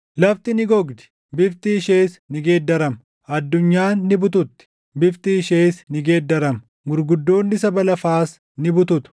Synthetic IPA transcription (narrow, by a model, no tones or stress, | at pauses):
lɐft̪ɪnɪɡɔɡd̪ɪ̥ | bɪft̪ɪːʃeːsnɪɡe̞ːd̪ːɐɾɐm | ɐd̪ːʊɲːaːnːɪbʊt̪ʊt̪ːɪ̥ | bɪft̪ɪːʃeːsnɪɡeːd̪ːɐɾɐm | ɡʊɾɡʊd̪ːo̞ːnːɪsɐbɐlɐfaːs | nɪbʊt̪ʊt̪ʊ̥